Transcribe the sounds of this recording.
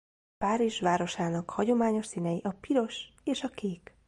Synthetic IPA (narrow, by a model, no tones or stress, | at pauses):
paːɾiʒʋaːɾo̞ʃaːnɒkhɒɟo̞maːɲo̞ʃsiːnɛjiʔɒpiɾo̞ʃ | eːʃɒkeːk